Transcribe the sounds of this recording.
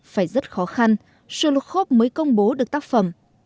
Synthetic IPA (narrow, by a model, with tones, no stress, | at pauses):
faː˧˩jzə˦˥t̚xɔ˨˦xa˧n | sɨ˧lu˨˩t̚xo˦˥p̚məː˨˦jkə˧wŋ͡mɓo˨˦ɗɨ˨˩ək̚t̪aː˦˥k̚fə˧˩m